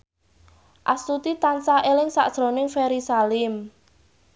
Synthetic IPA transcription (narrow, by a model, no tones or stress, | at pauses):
ʔa̰st̪ut̪it̪ansaʔelɪŋsa̰ʔd̥ʒ̥ɾo̤nɪŋfeɾisalɪm